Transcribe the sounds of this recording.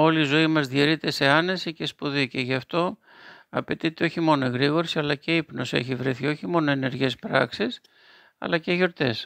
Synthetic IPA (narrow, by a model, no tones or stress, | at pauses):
o̞liːzo̞imɐzðieɾit̪e̞se̞ɐne̞sice̞spuðice̞ʝɐft̪o̞ | ɐ̰pe̞t̪it̪e̞o̞çimo̞noeɣɾiɣo̞ɾsiɐlɐce̞ipno̞sḛçivɾeθio̞çimo̞no̞e̞ne̞ɾʝe̞spɾɐ̰ksis | ɐ̰lɐceʝo̞ɾt̪e̞s